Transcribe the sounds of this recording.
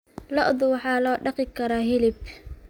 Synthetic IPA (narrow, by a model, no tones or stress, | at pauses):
lɔʔðʊwɑħɑːlɔːɖɑqɪkʰɐɾaːɦɪlɪb